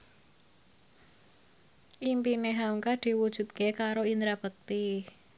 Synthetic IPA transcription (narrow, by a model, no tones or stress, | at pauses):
ʔimpineɦaŋkad̪̥i̤wud̥ʒ̥ṳt̪̚kekaɾoind̪ɾab̥ək̚t̪i